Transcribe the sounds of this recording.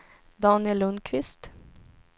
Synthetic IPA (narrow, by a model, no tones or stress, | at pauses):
d̪ɑːnɪɛlɵnd̪kʰvɪst̪